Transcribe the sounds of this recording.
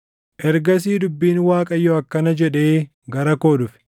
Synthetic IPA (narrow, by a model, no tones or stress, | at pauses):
ʔɛɾɡɐs̬iːd̪ʊbːiːnwaːkʼɐjːɔɐkːɐnɐd͡ʒɛᶑe̞ː | ɡɐɾɐko̞ːd̪ʊfɪ̥